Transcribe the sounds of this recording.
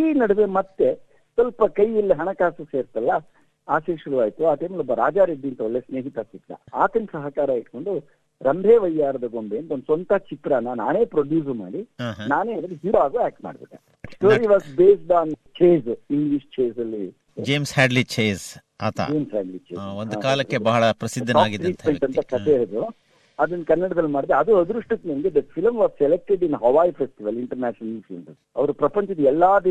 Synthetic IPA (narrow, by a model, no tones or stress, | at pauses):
iːnɐɽʋemɐt̪ːe̞ | sʋɐlpɐkɐjilːiɦɐɳɐkaːsuseːɾt̪ɐlːɐ | aːʃeːʃuɾuʋaːjt̪uaːt̪emlɔbːɐɾaːd͡ʒaːɾeɖ̪int̪ɐolːesneːɦit̪ɐsikɽɐ̰aːt̪ɐnsɐɦɐkaːɾɐiʈko̞ɳɖu | ɾɐmbʱeːʋɐjːaːɾɐd̪ɐɡombeːnt̪ɐond̪usɐnt̪at͡ʃikːɽanːɐnaːne̞ːpɾoɖjuːs̬ma̰ːɽinaːneːɐd̪ɾiɦiɾʋaːɡuːæːk̚ʈma̰ːɽbḛʈːḛ | ʈoːɾiʋaːsbeːsɖaːnt͡ʃeːziŋɡliʂt͡ʃeːzɐlːi | d͡ʒeːmshæːɖlit͡ʃeːs | a̰ːt̪ʰa̰d͡ʒeːmsɦɛːɖlit͡ʃeːaond̪ukaːlɐkːebɐɦɐɭɐpɾɐsid̪ʱːɐaːaːɡid̪ɾiːsɐeʈ̪ɐnt̪ɐkɐt̪eɐɾd̪u | ɐd̪ɐnːɐkɐnːɐɽɐd̪ɐlːumaːɖid̪eɐd̪uɐd̪ɾuʂʈut̪nɐnɡed̪ɐfʰilmʋaːzsɛlek̚ʈeɖinɦɐʋaːjifʰesʈiʋɐliɳʈɐɾnæːʃɐnɐlfʰilmsɐs | ɐʋɐɾupɾɐpɐɲt͡ʃɐd̪ɛlːaːd̪i